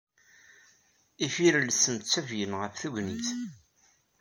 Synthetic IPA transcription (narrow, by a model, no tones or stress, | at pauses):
ifiɾlsənt̪t͡sːævjənʁəfθuʝniθ